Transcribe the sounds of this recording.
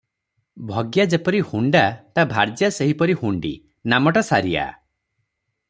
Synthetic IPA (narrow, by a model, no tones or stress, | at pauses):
bʱɔɡjad͡ʒepɔɾihuɳɖat̪abʱaɾd͡ʒjaseɦipɔɾihuɳɖḭ | namɔʈasaɾija̰